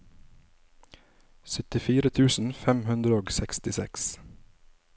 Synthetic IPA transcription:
sœt̪ɪfiːɾət̪ʰʉːsn̩fɛmhʉnd̪ɾəoːɡsɛkst̪ɪsɛ̰ks

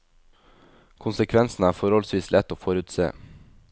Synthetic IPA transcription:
kʰʊnsəkʰʋɛnsn̩æːfɔɾɔlsʋiːslɛt̪oːfɔɾʉːt̪sḛː

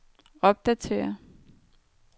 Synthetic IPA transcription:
ɒ̽b̥̚d̥æt͡sʰe̝̰ːɐ

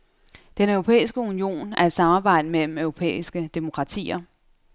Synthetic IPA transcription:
d̥enœʊʁopʰḛːisɡ̥əunio̝̰ːnæɐe̝d̥sɑ̈mɑ̈ːb̥ɑ̈ɪ̰d̥əmel̰m̩œʊʁo̝pʰḛːisɡ̥əd̥emo̝kʰʁɑ̈t͡sʰḭːɐ

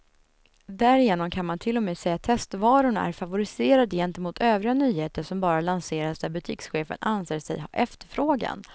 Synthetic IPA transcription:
d̪æɾɪjeːnɔmkʰanmant̪ʰɪlːɔmeːsɛjːat̪ʰɛst̪vɑːɾʊɳæ̰ɾfavʊɾɪseːɾad̪əjɛnt̪əmuːt̪ʰøːvɾɪɡanyːheːt̪əʂɔmbɑːɾalanseːɾasd̪æɾbɵt̪ʰḭːksɧeːfə̰nʔanseːsɛ̰jɛft̪əɾfɾoːɡa̰n

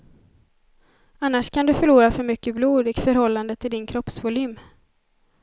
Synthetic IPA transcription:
anːaʂkʰand̪ɵfœɭuːɾafœɾmʏkːəbluːd̪ɪkfœɾhɔlːand̪ət̪ʰɪld̪ɪnkʰɾɔpsvʊlyːm

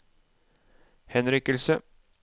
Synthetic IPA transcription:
hɛnɾɪkəlsə

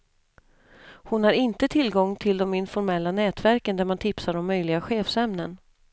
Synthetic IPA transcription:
hʊnhaɾɪnt̪ət̪ʰɪlɡɔŋːt̪ʰɪld̪ɔmɪnfɔɾmɛlːanɛːt̪væɾkənd̪æɾmant̪ʰɪpsaɖɔmːœjlɪɡaɧeːfsɛmnən

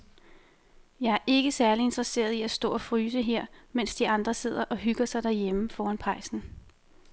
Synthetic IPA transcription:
jɑ̈ɪæɐʔe̝ɡ̥əsæɐlie̝nd̥ʁɐse̝̰ːɐð̞ˠiæsd̥ɔ̰ːɒ̽fʁyːsəɦeɐ̰men̰sd̥iɑ̈nd̥ʁɐse̝ð̞̰ˠɐʔɒ̽ɦyɡ̥ɐsɑ̈ɪd̥æɐjeməfɒːænpʰʁɑ̈ɪ̰sn̩

